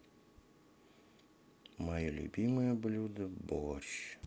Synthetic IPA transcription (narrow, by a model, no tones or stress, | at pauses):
majɛlʲṵbʲimɨjɐblʲud̪ɨbɔʃ